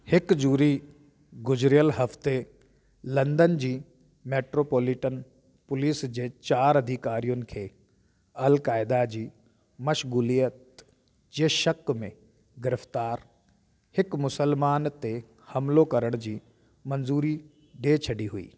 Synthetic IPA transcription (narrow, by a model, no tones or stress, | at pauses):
hɪkd͡ʑuːɾi | ɡʊd͡ʑɾijəlɦɐft̪e | lɐ̃nd̪ənd͡ʑiː | meːʈɾoːpoːlɪʈən | pʊliːsd͡ʑeːt͡ɕaːɾɐd̪ʱikaːɾijʊnɪ̆kʰeː | ɐlkaːɪd̪ad͡ʑiː | mɐʃɣuːliːjət̪ | d͡ʑeːʃɐkmẽ | ɡɪɾəft̪aːɾ | hɪkmʊsəlmaːnt̪e | hɐmlokɐɾəɽ̃d͡ʑiː | mɐ̃nzuːɾi | ɖeːt͡ɕʰɐɖiɦuḭː